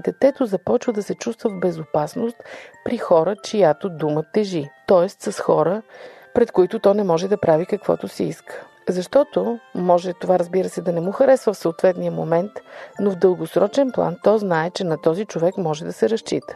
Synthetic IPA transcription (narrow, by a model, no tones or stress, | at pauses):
d̪ɛt̪ɛt̪ozɐpɔt͡ʃvəd̪ɐsɛt͡ʃust̪vəvbɛzopasnost̪pɾixɔɾət͡ʃijat̪od̪umət̪ːɛʒit̪ɔɛst̪sɐsxɔɾə | pɾɛt̪koit̪ʊt̪ɔnɛmɔʒɛd̪ɐpɾavikɐkvɔ̰t̪osiiskə̥ | zɐʃt̪ɔt̪omɔʒɛt̪ovaɾəzbiɾəsɛd̪ɐnɛmuxɐɾɛsvəfsoot̪vɛt̪nijəmo̰mɛnt̪novd̪əlˠɡosɾɔt͡ʃɛnplˠa̰nt̪ɔznaɛt͡ʃɛnɐt̪ɔzit͡ʃovɛkmɔʒɛd̪ɐsɛɾɐʃt͡ʃit̪ə̥